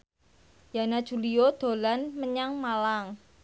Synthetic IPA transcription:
janad̥ʒ̥ṳliod̪̥o̤lanməɲaŋmalaŋ

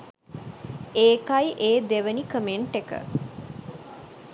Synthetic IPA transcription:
eːkajʔeːd̪eʋənikəmeɳʈekə̰

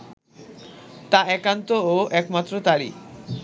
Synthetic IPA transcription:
t̪aɛkant̪ooʔɛkmat̪ːɾot̪aɾḭ

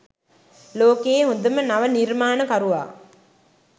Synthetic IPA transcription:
loːkeːɦond̪əmənaʋəniɾmaːnəkaɾuʋa̰ː

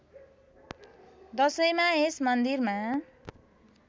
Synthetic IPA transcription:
d̪ʌsʌjmaesmʌnd̪irma

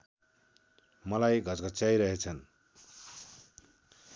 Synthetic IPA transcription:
mʌlajɡʱʌt͡sɡʱʌt͡saiɾʌɦet͡sʰʌn

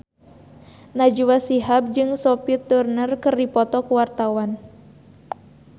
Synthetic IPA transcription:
nad͡ʒuwasiɦap̚d͡ʒɨŋsɔpit̪ːurnərkɨrdipɔt̪ɔkuwart̪awan

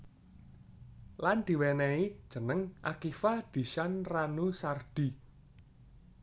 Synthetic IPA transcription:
land̪̥i̤wɛnɛid̥ʒ̥ə̤nəŋʔakifad̪̥i̤ʃanranusard̪̥i̤

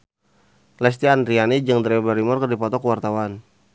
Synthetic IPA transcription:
lɛs̬t̪iand̪ɾianid͡ʒəŋd̪ɾɛbaɾimɔrkərdipɔt̪ɔkəwart̪awan

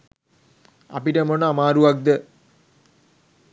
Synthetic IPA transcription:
ɐ̰piʈɐmonamaːɾuʋɐk̚d̪ə

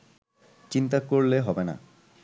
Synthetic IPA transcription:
t͡ɕint̪akoɾleɦɔbena̰

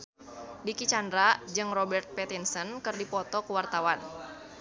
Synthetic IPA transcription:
dikit͡ʃandɾad͡ʒɨŋrɔbɛrt̪̚pɛt̪insənkɨrdipɔt̪ɔkəwart̪awan

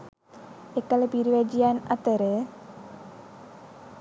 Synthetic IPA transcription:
ekələpiɾiʋæd͡ʒijanat̪əɾə

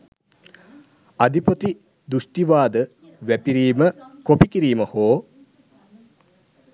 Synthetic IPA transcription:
ad̪ipət̪i | d̪usʈiʋaːd̪ə | ʋæpiɾiːməkopikiɾiːməhoː

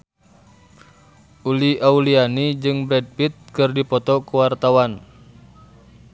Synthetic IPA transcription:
ʔuliʔaulianid͡ʒɨŋbɾɛd̚pit̪̚kɨrdipɔt̪ɔkəwart̪awan

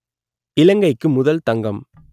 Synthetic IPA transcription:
ɪlɐŋɡɐɪkːɯmʊðɐlt̪ɐŋɡɐm

